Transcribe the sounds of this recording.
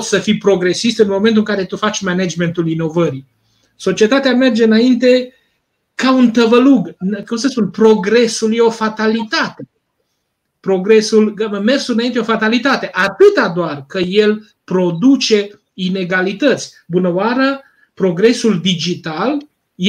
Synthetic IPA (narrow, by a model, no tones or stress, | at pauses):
səfijpɾo̞ɡɾe̞sist̪ɨnmo̞ment̪̬uɨŋkaɾe̞t̪ufat͡ʃʲmened͡ʒme̞nt̪ulino̞vəɾi | so̞t͡ʃiet̪at̪eame̞rd͡ʒe̞ɨnaint̪e̞ | kaunt̪əvəluɡnkumsəspunpɾo̞ɡɾe̞sulje̞o̞fat̪alit̪at̪e | pɾo̞ɡɾe̞sulme̞rɡsuɨnaint̪eo̞fat̪alit̪at̪e̞ʔat̪ɨt̪ad̪oarkəje̞l | pɾo̞d̪ut͡ʃe̞ | ine̞ɡalit̪ət̪sʲ | bunəwaɾə | pɾo̞ɡɾe̞suld̪id͡ʒit̪al | j